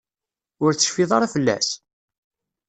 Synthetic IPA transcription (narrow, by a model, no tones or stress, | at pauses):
ʊɾt͡sːə̥ʃfiðˤɑɾˤafəlːæ̰s